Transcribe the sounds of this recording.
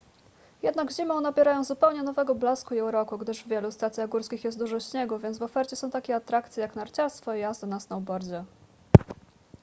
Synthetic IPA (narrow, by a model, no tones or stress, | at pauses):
jɛd̪naɡʑimɔ̃w̃nabʲɛɾajɔ̃w̃zupɛwɲɛnɔvɛɡɔblaskuiuwɾɔkuɡd̪ɘʐvvʲjɛlust̪at̪sʲjaɣɡuɾskʲixjɛst̪d̪uʐɔɕɲɛɡuvʲjɛnzvɔfɛɾt͡ɕɛsɔ̃w̃t̪akʲɛat̪ɾakt̪sʲjɛjaknaɾt͡ɕaɾst̪fɔijazd̪ɔnasnawbɔɾd͡ʑɛ